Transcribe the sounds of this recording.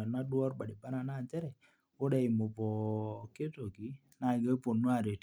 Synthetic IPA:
a˨na˦dwɔ˦ɾba˨dɪ˨ba˦na˨na˦˨d͡ʒɛ˦ɾɛ˨ | o˦da˨i˨mo˨bɔ˨ke˦to˨ɡi˨˦ | na˨ɡa˦po˨nːu˦a˨ɾe˨t

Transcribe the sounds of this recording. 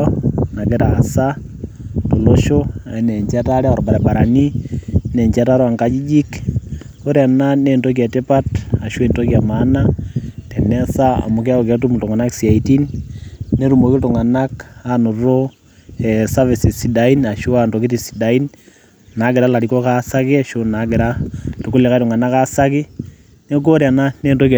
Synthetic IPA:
na˨ɡe˦ɾa˨sa˦ | to˨lo˦ʃo˦a˨ne˨ɲt͡ʃa˦ta˦ɾɛ˦a˨ɾba˨ɾɛ˨ba˨ɾa˨ni˦nɛ˨ɲt͡ʃa˦ta˦ɾwa˨ŋkad͡ʒi˦d͡ʒi˦k | o˦ɾa˨na˦ne˨nto˦k̬ja˨te˦pa˦ta˨ʃwe˨nto˦ka˨ma˦na˦tɛ˨nɛ˦sa˦a̰˨mo˨k̬e˦a˦o˨ke˨tu˦m˨to˨ŋa˨na˦ksia˨iti˦nː | e˦ɾu˨mo˨ki˦tu˨ŋa˨na˦ka˨no˨ɾo˦ | ɛ˨sa˦vi˨si˨si˨da˨i˦na˨ʃu˦a˨ntɔ˨ki˦ti˨si̥˨da˨i˦n | na˨˦ɡɪ˨ɾa˦la˨ɾi˨kɔ˦ka˦sa˦kɪ˦a˨ʃo˦na˨˦ɡɪ˨ɾa˦tu˨ku˦le˨ka˦tʊ˨ŋa˨na˦ka˦sa˦kɪ˦ | ne˦k̬o˦ɾja˨na˦ne˦˨nto˦k

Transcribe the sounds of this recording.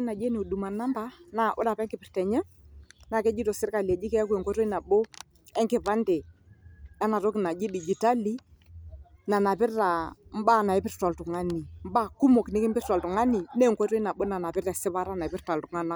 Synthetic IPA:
na˨d͡ʒe˦ne˨du˨ma˨na˦mba˦na˨ʔʊ˦da˨pɛ˦ŋkɪ˨pɪ˨ɾtɛ˨ɲɛ˦ | na˨kɛ˦d͡ʒi˦to˨sɪ˦ɾka˨li˨ɛ˨d͡ʒi˦kɛ˦a˦ku˦e˨ŋkɔ˦ɾɔ˦i˦na˨ɓo˦ | ɛ˦ŋkɪ˨pa˦ndɛ˨ | a˦na˨to˦kɪ˨na˨d͡ʒi˦di˨d͡ʒi˨ta˦li˦ | na˨na˨pɪ˦ɾa˨m̩˦ba˦na˨ɪ˦pɪ˦ɾta˨ltu˨ŋa˦ni˨m˦ba˦˨ku˦mo˨knɪ˦kɪ˦m̩˦bɪ˦ta˨ltu˨ŋa˦ni˨ne˦˨ŋkɔ˦tɔ˦i˦na˨ɓo˦na˨na˨pɪ˦ɾa˨sɪ˦pa˦ɾa˦na˨pɪ˦ɾta˨ltʊ˨˦ŋa˦na˦

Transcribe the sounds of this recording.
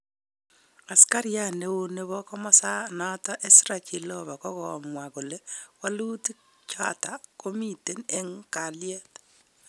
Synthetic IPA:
a˨ska˦ɾija˦ne˦u˦ne˦βɔ˦kɔ˦mɔ˦sa˦na˦ta˦ʔe˦si˦ɾa˨ki˨lɔ˦βa˨kɔ˦kɔ̰˨mwa˨ku˨lɛ˦wa˦lu˦ti˦ | t͡ʃa̰˨ta˨ko˦mi˦te˦ne˦ŋka˨ljɛ˦t

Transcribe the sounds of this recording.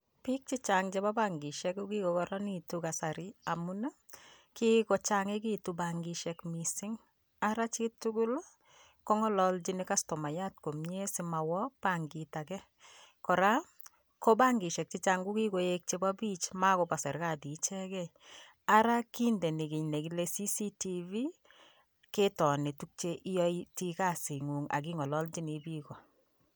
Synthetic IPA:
pi˦k̚t͡ʃi˦t͡ʃaŋt͡ʃe˦ba˦baŋɡi˨ʃɛkuki˦ko˨kɔɾɔ˦nituka˨sa˨ɾɪa˨mu˦na˦ | ki˦kɔ˨t͡ʃaŋe˦kitubaŋɡiʃɛkmisɪ˦ŋ | aɾat͡ʃitu˦ɡu˦l | kɔ˦ŋɔ˦lɔ˨ld͡ʒi˦nika˦stɔ˨ma˨jat̚ko˨mɲe˦sɪma˨wɔ˦paŋɡitakɛ˦ | kɔ˨ɾa˦ | kɔ˦ba˦ŋɡi˨ʃɛ˨k̚t͡ʃi˦t͡ʃa˨ŋɡu˦ki˦ko˨je˦k̚t͡ʃe˦ba˦bi˦t͡ʃma˦kɔ˨pa˨sɛ˨ɾka˦˨di˨˦t͡ʃɛ˦kɛ˦ | aɾa˦ki˦ndɛ˨ni˨ɡi˨ɲne˨kile˧si˦si˦ti˨vi˦ | ke˦tɔ˨nɪ˨tu˦k̚t͡ʃe˦ʔi˦jɔ˦iti˦ka˦˨si˨ŋu˨ŋa̰˨k̬i˦ŋɔ˨lɔ˦ld͡ʒi˦ni˨bi˦kɔ˨

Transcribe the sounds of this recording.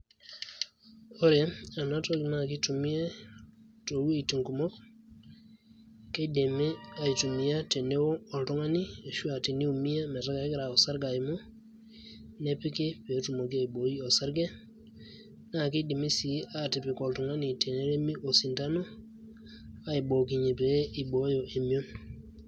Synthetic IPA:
o˦ɾe˦a˨na˦to˨ɡi˨na˦˨ki˦tu˨mi˦e˦ | to˨wu˦e˨ti˨ŋku˨mo˦k | ke˦de˨me˦a˨i˨tu˨mi˦ja˦te˨ne˦wo˦ɔ˨ltu˦ŋa˦ni˦a˨ʃu˦a˨ti˨ni˦u˨mi˦ja˦me˨ta˦ɡa˨˦ɡɾa˨o˨sa˦ɾɡa˨jmo˦ | ne˦pi˦ke˦pe˨˦tu˨mo˨k̬i˦a˦i˨bo˨ji˦o˨sa˦ɾɡe˦ | na˦˨k̬e˦di˨mi˦si˨˦a˨ti˨pi˨ko˨ltu˨ŋa˦ni˨te˨ne˦ɾe˦mi˦ʔo˨si˨nta˦no˦ | a˦i˨bo˨ki˨ɲe˨pe˨˦i˨bo˦jo˨ʔe˨mi˦o˦n

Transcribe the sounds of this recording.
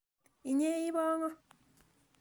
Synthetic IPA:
i˨ɲe˦i˦βɔ˦ŋɔ˦

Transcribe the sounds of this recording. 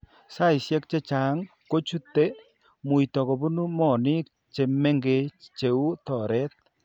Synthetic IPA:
sa˦i˨sjɛ˦k̚t͡ʃe˦t͡ʃa˨˦ŋ | ko˦t͡ʃu˦t̪e˦ | mu˨i˨tɔ˨kɔ˨bu˦nu˦mɔ˦˨nɪ˦k̚ | t͡ʃe˨me˦ŋɡe˨˦t͡ʃe˨u˦tɔ˨ɾɛ˦t̪̚

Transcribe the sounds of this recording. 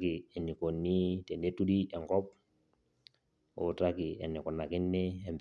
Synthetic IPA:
ki˨ɛ˨nːi˨ko˨nːi˦tɛ˨nde˦tu˦di˦ɛ˨ŋkɔ˦p̚ | o̰˨ta˦ki˨ɛ˨nːi˨kɔ˨nːa˨kɪ˦nːɛ˦ɛ˨mb

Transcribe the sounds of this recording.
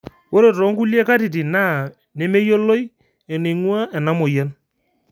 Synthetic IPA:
wo˦ɾe˨tɔ˨˦ŋku˦lje˦ka˦ti˨ti˨na˦˨ | ne˦me˦jo˦lːo˦j | ɛ˨ne˨ŋwa˦ɛ˨na˦mɔ˨jɛ˦n

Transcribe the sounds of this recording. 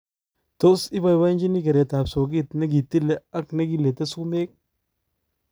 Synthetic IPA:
to˦sɪ˦ba˨jwa˦nd͡ʒi˦ni˦ke˨ɾe˨ta˨pso˨ɡɪ˦t̪ne˦ɡi˨t̪i˦le˦˨a˦kne˦ɡi˦˨le˨t̪e˦su˦me˦k̚

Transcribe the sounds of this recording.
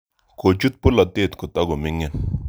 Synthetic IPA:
ko˨t͡ʃu˦t̪̚pʊ˦lɔ˨t̪ɪ˦˨t̪ko˨t̪ɔ˦ɡɔ˨mɪ˦ŋɛ˦n

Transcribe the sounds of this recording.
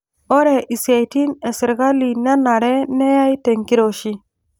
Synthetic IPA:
ɔ˦ɾɛ˨ʔi˨sa˨jti˦nɛ˨sɪ˨ɾɡa˦li˨na˦na˨ɾɛ˦nɛ˦ja˦jtɛ˨ŋki˦ɾo˨ʃi˦

